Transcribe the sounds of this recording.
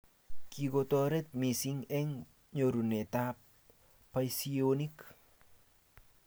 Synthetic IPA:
kiɡotoɾɛt̪̚misiŋɛŋ | ɲoɾunetap̚ | pːajsionik

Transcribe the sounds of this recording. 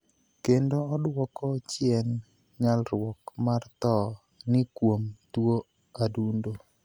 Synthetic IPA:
kendoɔdwɔkɔt͡ʃjɛn | ɲalɾwɔkmart̪ɔ | nɪkwomt̪wo | adundo

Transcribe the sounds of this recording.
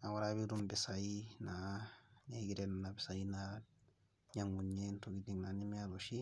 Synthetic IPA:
awaɾaβidumbɛsainaɲeɡiɾennabɛsaina | ɲaŋɡuɲentoɡidiŋnanimiaɾoʃi

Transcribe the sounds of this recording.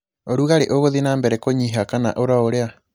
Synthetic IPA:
oɾuɣaɾeʔoɣoðinaːmbeɾekoɲiɦakana̰ʔoɾaoɾea

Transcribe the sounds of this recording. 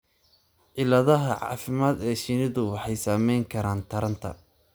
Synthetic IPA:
ʕɪlɐðɐɦɐʕɑ̰ːfɪmaːd̪ɛːʃɪnɪðʊwɑħɑjsaːmɛjŋkʰɐɾaːnt̪ʰɐɾɐnt̪ʰɐ̰

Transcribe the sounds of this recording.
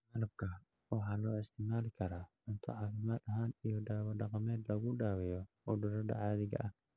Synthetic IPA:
malɐb̚kʰɐ | wɑħɑːlɔːɪst̪ʰɪmaːlɪkʰɐɾaːʕʊnt̪ʰɔ̰ʕɑːfɪmaːd̪ɐɦaːnijɔɖaːwɐɖɑqɑmɛːd̪lɐɣʊɖaːwɛjɔ | ʊɖʊɾɐɖɐ̰ʕɑːðɪɣɐ̰ʔɐh

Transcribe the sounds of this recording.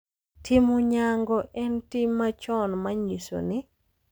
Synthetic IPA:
tʰɪmɔɲaŋɡɔʔɛntɪmːat͡ʃɔnmaɲiso̰nɪ

